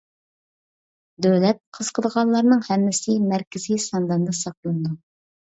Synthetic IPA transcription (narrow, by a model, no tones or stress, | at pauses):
d̪øwlɛt̪̚qʰəz̥qʰəd̪əʁɑnlˠɑɾnɨŋhɛmːɪsɪmæɾkʲɪzijsɑnd̪ɑnd̪ɑsɑq̚lˠɨnd̪u